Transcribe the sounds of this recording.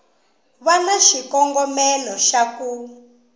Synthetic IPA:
βanaʃikɔŋɡɔmɛlɔʃaku

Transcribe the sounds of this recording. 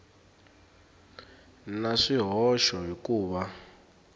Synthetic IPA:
naʂiɦɔʃɔɦikuːɓa

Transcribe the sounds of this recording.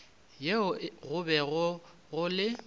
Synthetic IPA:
jeʊɣʊbɛɣʊ | ɣʊlɪ

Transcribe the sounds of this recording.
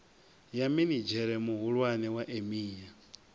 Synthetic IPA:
jaminid͡ʒɛɾɛmuɦuɺwanɛwaʔemiːja

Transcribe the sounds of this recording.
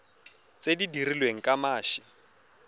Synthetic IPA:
t͡sʼedidirilweŋ̩kʼamaːʃɪ

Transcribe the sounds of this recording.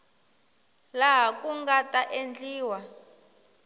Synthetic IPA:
laɦakʼuŋɡatʼaʔend͡ɮiːwa

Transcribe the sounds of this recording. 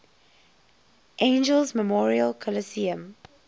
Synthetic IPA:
ʔẽnd͡ʒəlzməmɔːɹiəlkʰələsiə̃m

